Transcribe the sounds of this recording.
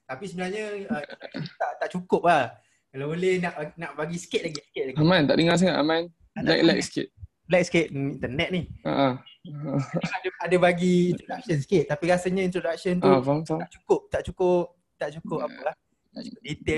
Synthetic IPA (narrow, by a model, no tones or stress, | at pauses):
t̪apisəbənalɲəəkt̪aʔt̪aʔt͡ʃukʊp̚lah | kalabolehnaʔanaʔbaɡisə̥kɪt̪̚laɡɪskɪt̪̚laɡamãnt̪a̰ʔdəŋas̬aŋaʔamãn | ala̰klɛkskɪ̰t̪̚ | laɛk̚skɪt̪̚int̪ənɛt̪̚niha̰ʔə | adadabaɡiːnɾodak̚sənskɪt̪̚t̪ːapiɾasəɲəint̪ɾodak̚sənt̪ufaaaʔt͡ʃukʊp̚t̪aʔt͡ʃukʊp̚ | t̪aʔt͡ʃukʊp̚apəlah | t̪aʔt͡ʃukʊdit̪ɪ